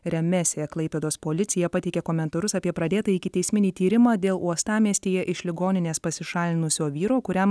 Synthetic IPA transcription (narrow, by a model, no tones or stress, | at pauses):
ɾʲɛmʲɛsʲeɛklˠɐɪpʲeːd̪oːspoːlʲɪt̪sʲɪjɛpɐt̪ʲɛɪkʲɛkoːmʲɛnt̪ɐɾʊsɐpʲiɛpɾɐd̪ʲeːt̪ɐɪkʲɪt̪ʲɛɪsʲmʲɪnʲiːt̪ʲiːɾʲɪmɑːd̪ʲeːlˠuɔst̪ɑːmʲiɛsʲt̪ʲeːjɛʔɪʃlʲɪɡoːnʲɪnʲeːspɐsʲɪʃɑːlʲɪnʊsʲoːʋʲiːɾoːkʊɾʲɛm